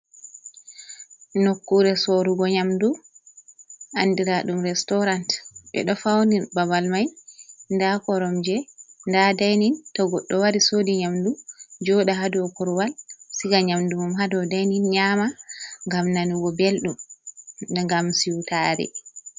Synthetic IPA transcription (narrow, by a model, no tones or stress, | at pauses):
nokːuɾɛsoɾuɡɔɲamdu | ʔandiɾaɗumɾɛstɔɾantɓɛ̰ɗɔfawnibabalmajndakɔɾɔmd͡ʒɛndadajnintɔɡɔɗːɔwaɾisodiɲamdud͡ʒɔɗaɦadɔkɔɾwalsiɡaɲamdumumɦadɔdajninɲamaŋɡamnaniɡɔbelɗum | dɛŋɡamsiwtaːɾɛ̰